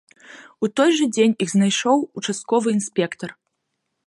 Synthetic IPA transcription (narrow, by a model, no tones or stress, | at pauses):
ut̪ɔjʐɐd͡zʲenʲiɣznajʂɔwut͡ʂast̪̚kɔvɨinsʲpʲɛkt̪ɐr